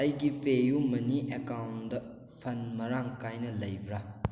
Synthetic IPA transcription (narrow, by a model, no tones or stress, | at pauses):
ɐjɡipʰejumɐniʔekawndɐ | pʰɐnmɐɾaŋkajnɐlɐjbɾa